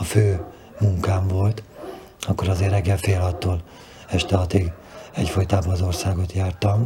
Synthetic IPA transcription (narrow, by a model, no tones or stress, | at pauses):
ɒføː | muŋkaːɱvo̞lt̪ | ɒkːo̞ɾɒzeːrːɛɡːɛlfeːlɒt̪ːoːl | ɛʃt̪ɛɒt̪iɡ | ɛcfojt̪aːbɒɒzo̞rsaːɡo̞t̪jaːrt̪ɒm